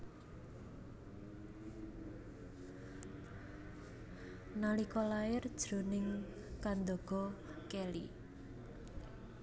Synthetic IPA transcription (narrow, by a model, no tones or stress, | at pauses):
nalikɔlajɪrd̥ʒ̥ɾonɪŋ | kand̪oɡ̥ɔkɛli